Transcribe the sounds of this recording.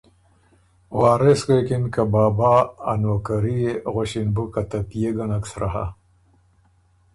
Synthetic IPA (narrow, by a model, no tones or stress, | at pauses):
waːɾeskekinkabaːba̰ːnoːkaɾijeɣoɕinbukat̪apijeɡanaksɾa̰ɦa̰